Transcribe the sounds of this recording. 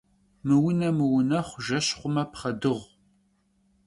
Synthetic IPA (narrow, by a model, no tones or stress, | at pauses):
mɨwʊnɐmɨwʊnɐχʷʒɐɕχʷʊmɐpχɐdɨʁʷ